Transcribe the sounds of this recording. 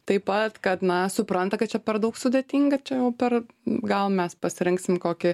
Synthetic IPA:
t̪ɐɪpɐt̪kɐt̪nɐsʊpɾɐnt̪ɐkɐt̪t͡ʃʲɛpʲɛɾd̪ɐʊksʊd̪ʲeːt̪ʲiːŋɡɐt͡ʃʲɛjɛʊpʲɛr | ɡɐlˠmʲɛspɐsʲɪɾʲɪŋksʲɪmkoːkʲɪ

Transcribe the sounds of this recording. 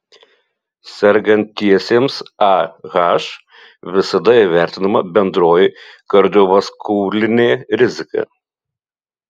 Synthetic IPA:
sʲɛɾʲɡɐnʲt̪ʲtːʲiɛsʲeːmsɑɣɑʃ | ʋʲɪsɐd̪ɐiʋʲæˑɾʲt̪ʲɪnɐmɐbʲɛnd̪ɾoːjɪkɐɾʲd̪ʲoːʋɐskuːlʲɪnʲeːɾʲɪzʲɪkɐ̰

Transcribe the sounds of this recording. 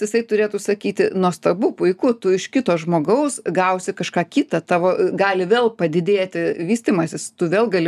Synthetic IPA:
ɪsɐɪt̪ʊɾʲeːt̪uːsɐkʲiːt̪ʲɪnuɔst̪ɐbuːpʊɪkʊt̪ʊɪʃkʲɪt̪oːsʒmoːɡɐʊsɡɐʊsʲɪkɐʃkɑːkʲiːt̪ɐt̪ɑːʋoːɡɑːlʲɪʋʲeːlˠpɐd̪ʲɪd̪ʲeːt̪ʲɪʋʲiːsʲt̪ʲiːmɐsʲɪst̪ʊʋʲeːlˠɡɐlʲɪ

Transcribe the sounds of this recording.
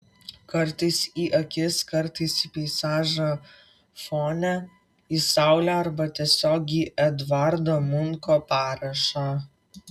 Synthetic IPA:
kɐɾt̪ɐɪsiːʔɐkʲɪskɐɾt̪ɐɪsiːpʲɛɪsɑːʒɐ | foːnʲæ | iːsɑˑʊlʲɛːɐɾbɐt̪ʲiɛsʲoːɡʲiːʔɛd̪ʋɑɾd̪oːmʊŋkoːpɑːɾɐʃɑː

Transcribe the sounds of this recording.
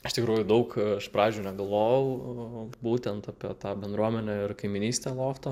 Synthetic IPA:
ɪʃt̪ʲɪkɾuːjʊd̪ɐʊkɐʃpɾɑːʋʲed͡ʒʲʊnʲɛɡɐlˠʋoːjɛʊbuːt̪ʲɛnt̪ɑpʲiɛt̪ɑːbʲɛnd̪ɾuɔmʲɛnʲɛɪrkɐɪmʲɪnʲiːsʲt̪ʲeːlˠoːft̪ɐ

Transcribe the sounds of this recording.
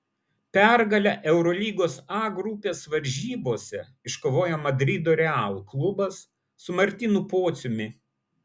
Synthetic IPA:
pʲɛɾɡɐlʲɛʔɛʊɾɔlʲiːɡoːsɑːɡɾupʲeːsʋɐɾʲʒʲiːboːsʲɛ | ɪʃkoːʋoːjɛmɐd̪ʲɾʲɪd̪oːɾʲɛɑːlˠklˠʊbɐsː | ʊmɐɾʲt̪ʲiːnupoːt̪sʲʊmʲɪ

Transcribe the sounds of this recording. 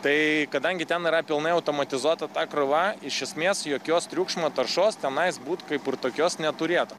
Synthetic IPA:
t̪ɐɪkɐd̪ɐŋʲɡʲɪt̪ʲɛnɪɾɐpʲɪlˠnɐɪɐʊt̪oːmɐt̪ʲɪzuɔt̪ɐt̪ɑːkɾʊʋɑɪʃʲɛsʲmʲeːsjoːkʲoːst̪ʲɾʲuːkʃmoːt̪ɐrʃoːst̪ʲɛnɐɪsbuːt̪kɐɪpɪrt̪oːkʲoːsnʲɛt̪ʊɾʲeːt̪ʊ

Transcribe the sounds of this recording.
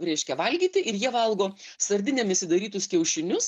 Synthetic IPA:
ɾʲɛɪʃʲkʲɛʋɐlʲɡʲiːt̪ʲɪʔɪɾjiɛʋɐlˠɡoːsɐɾʲd̪ʲɪnʲɛmɪʃsʲɪd̪ɐɾʲiːt̪ʊskʲɛʊʃʲɪnʲʊs

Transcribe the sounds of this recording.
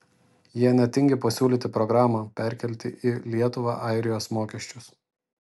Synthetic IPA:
jiɛnʲɛt̪ʲɪŋʲɡʲɪpɐsʲuːlʲiːt̪ʲɪpɾɔɡɾɑːmɑpʲæˑɾʲˑkʲɛlʲt̪ʲɪʔɪlʲiɛt̪ʊʋɑ̰ʔɑˑɪɾʲɪjoːsmoːkʲɛʃʲt͡ʃʲʊs

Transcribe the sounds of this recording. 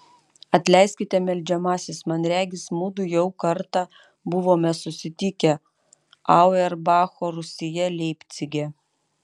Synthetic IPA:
ɐt̪ʲlʲɛɪsʲkʲɪt̪ʲɛmʲɛlʲd͡ʒʲɛmɑːsʲɪsmɐnɾʲæːɡʲɪsmuːd̪ʊjɛʊkɐɾt̪ɑ | bʊʋoːmʲɛsʊsʲɪt̪ʲɪkʲɛ | ɑʊɛɾbɑːxoːɾʊsʲɪjɛlʲɛɪpʲt̪sʲɪɡʲɛ

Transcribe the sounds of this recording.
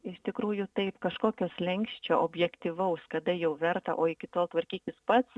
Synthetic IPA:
ɪʃt̪ʲɪkɾuːjʊt̪ɐɪpkɐʃkoːkʲoːslʲɛŋʲkʃʲt͡ʃʲoːʔoːbʲjɛkt̪ʲiʋɐʊskɐd̪ɐjɛʊʋʲɛɾt̪ɐ̰ʔoːɪkʲɪt̪oːlˠt̪ʋɐɾʲkʲiːkʲɪspɐt̪s

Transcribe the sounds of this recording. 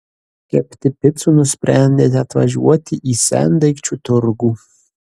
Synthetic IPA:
kʲʰɛpʰt̪ʰɪpʰʲɪt͡sʼunusprʲænʲd̪ʲetʲat̪ʰva̰ʒṵɔt̪ʰiʔisæ̰nd̪ɐkʲt͡ʃʰut̪ʰʊrɡu

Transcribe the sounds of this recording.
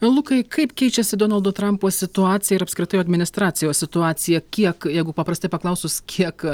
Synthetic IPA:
lˠʊkɐɪkɐɪpkʲɛɪt͡ʃʲɛsʲɪd̪oːnɐlˠd̪oːt̪ɾɐmpoːsʲɪt̪ʊɑːt̪sʲɪjɛɪɾɐpsʲkɾʲɪt̪ɐɪjoɔɐd̪ʲmʲɪnʲɪst̪ɾɑːt̪sʲɪjoːssʲɪt̪ʊɑːsʲɪjɛkʲiɛkjɛɪɡʊpɐpɾɐsʲt̪ɐɪpɐklˠɐʊsʊskʲʰiɛk

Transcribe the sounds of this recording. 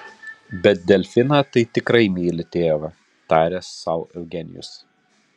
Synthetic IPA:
bʲɛt̪̚d̪ʲɛlʲfʲɪnɑːt̪ɐɪt̪ʲɪkɾɐɪmʲiːlʲɪt̪ʲeːʋɐ | t̪ɑːɾʲɛːsːɐʊʔɛʊɡʲɛnʲɪjʊ̰s

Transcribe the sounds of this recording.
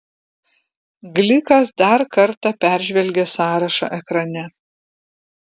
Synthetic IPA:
ɡlʲɪkɐsd̪ɐɾkɐɾt̪ɑpʲæˑɾʲʒʲʋʲɛlʲɡʲesɑːɾɐʃɐ̰ːʔɛkɾɐnʲɛ

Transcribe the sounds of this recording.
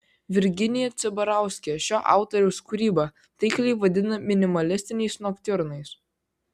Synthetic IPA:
ʋʲɪɾʲɡʲɪnʲɪjɛt̪sʲɛbɐɾɑˑʊsʲkʲɛɛʃʲoːʔɑ̰ˑʊt̪ɔɾʲɛʊskuɾʲiːbɐ | t̪ɐɪklʲɛɪʋɐd̪ʲɪnɐmʲɪnʲɪmɐlʲɪsʲt̪ʲɪnʲɛɪsnokt̪ʲɪɾnɐɪs

